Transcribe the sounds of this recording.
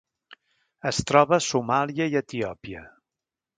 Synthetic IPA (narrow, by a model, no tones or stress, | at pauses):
əst̪ɾɔβəsumaliəiət̪iɔpiə̰